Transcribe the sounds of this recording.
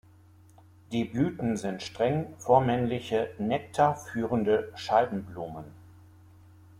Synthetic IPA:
d̥iːblyːtn̩zɪntʃtʁ̥ɛŋfoːɐmɛnlɪçənɛk̚tʰafyːʁəndəʃalbm̩bluːmən

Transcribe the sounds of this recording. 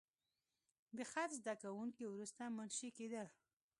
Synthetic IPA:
d̪əxat̪zd̪akawuŋkiwɾust̪amanʃiked̪əl

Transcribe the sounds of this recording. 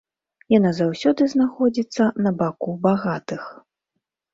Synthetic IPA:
janazawsʲɔd̪ɨznaxɔd͡zʲit̪sːɐnɐbakubaɣat̪ɨx

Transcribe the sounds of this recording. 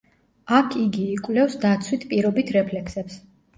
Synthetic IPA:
akʰiɡiːkʼwlɛfsd̪at̪sʰwit̪ʰpʼiɾɔbit̪ʰɾɛpʰlɛkʰsɛps

